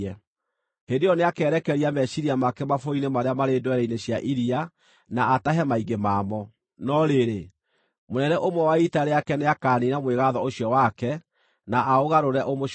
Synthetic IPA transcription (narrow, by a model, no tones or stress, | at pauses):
ɛ | hendejɔneakɛːɾɛkɛɾiamɛɕiɾiamakɛmafoinemaɾeamaɾedowɛɾɛineɕjaʔiɾia | naːtaɦɛmaiɡemaːmɔ | nɔɾeɾe | monɛnɛʔomwɛwaitaɾeakɛneakaːninamweɣaðɔoɕjɔwakɛ | naʔaoɣaɾoɾɛʔomo